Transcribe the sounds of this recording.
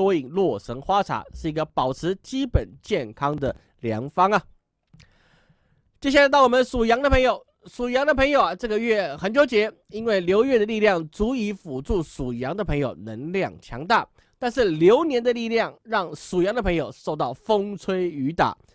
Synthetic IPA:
ɔ˥i˨˩ŋlwɔ˥˩ʂə˧˥ŋxwa˥ʈ͡ʂʰa̰˧˥˦ʂɻ̩˥˩i˧˥ɡə˧pɑ˨˩ʊt͡sʰɻ̩˧˥t͡ɕi˥pə˨˩nt͡ɕjɛ˥˩nkʰɑ˥ŋd̪ə˨ | ljɑ̰˧˥ŋfɑ˥ŋɐ˨ | t͡ɕjɛ˥˧ɕjlɪt̪ɑ˥˩ɔ˨˩mə˦nsu˨˩jɑ˧˥ŋd̪ə˧pʰɤ˧˥ŋjo˨˩ʊ | su˨˩jɑ˧˥ŋd̪ə˧pʰɤ˧˥ŋjo˨˩ʊɐ˩ʈ͡ʂɤ˥˩ɡə˨˧ɥɛ˥˩xə˧˥nt͡ɕjo˧˥ʊt͡ɕjɛ˧˥ | i˥nwe˥˩ɪljo˧˥ʊɥɛ˥˩d̪ə˩li˥˧ljɑ˥˩ŋt͡su˧˥i˧˥fu˨˩ʈ͡ʂu˥˩su˨˩jɑ˧˥ŋd̪ə˧pʰɤ˧˥ŋjo˨˩ʊnə˧˥nljɑ˥˩ŋt͡ɕʰjɑ̰˧˥ŋt̪a̰˥˩ | t̪a˥˧nʂɻ̩˥˩ljo˧˥ʊnjɛ˧˥nd̪ə˧li˥˧ljɑ˥˩ŋɻɑ˥˩ŋsu˨˩jɑ˧˥ŋd̪ə˧pʰɤ˧˥ŋjo˨˩ʊʂo˥˧ʊt̪ɑ˥˩ʊfo˥ŋt͡sʰwe˥ɪy˧˥t̪a̰˨˩˦

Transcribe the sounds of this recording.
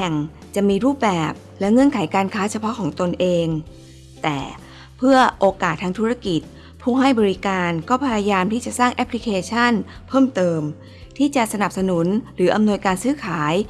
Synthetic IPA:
ɛ˨˩ŋ | t͡ɕa˨˩ʔmiː˧ɾuː˥˩p̚bɛː˨˩p̚lɛ˦˥ŋɤ˧˥˨nkʰa˩˦jkaː˧nkʰaː˦˥t͡ɕʰa˧pʰɔ˦˥kʰɔː˩˦ŋt̪o˧nʔeː˧ŋ | t̪ɛ̰ː˨˩ | pʰɯ˥˩ɐʔoː˧kaː˨˩t̪ʰːaː˧ŋt̪ʰuː˦˥ɾa˧˩ki˨˩t̪̚ | pʰuː˥˩ŋɦa˥˩jbɔː˧ɾi˦˥kaː˧nkɔː˥˩pʰa˧ja˧jaː˧mt̪ʰiː˥˩t͡ɕa˨˩ʔsaː˥˩ŋʔɛ˦˥pʰli˦˥kʰeː˧t͡ɕʰa˥˩npʰɤː˥˩mt̪ɤː˧m | t̪ʰiː˥˩t͡ɕa˨˩sa˧na˨˩p̚sa˧nu˩˦nɾɯː˩˦˥ʔa˧mnu˧əjkaː˧nsɯː˦˥kʰaː˩˦j

